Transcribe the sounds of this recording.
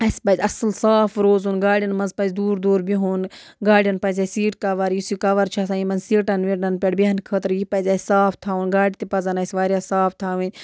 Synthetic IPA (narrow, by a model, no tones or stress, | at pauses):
ɐsʲpɐzʲɐslsaːfɾoːzuːnɡaːɽʲijɐnmɐnzpɐzʲd̪uːɾd̪oːɾbiɦuːn | ɡaːɽʲijɐnpɐzʲɐsiːʈkɐʋɐɾjisjikɐʋɐɾt͡ʃʰaːsaimɐnsiːʈɐnʋiʈnɐnpʲɐɽbiɦɐnkʰəːt̪ɾjipɐzʲɐːsaːfʰt̪ʰaːunɡaːɽit̪ipɐzɐnɐsʲʋaːɾjaːsaːfʰt̪ʰaːʋin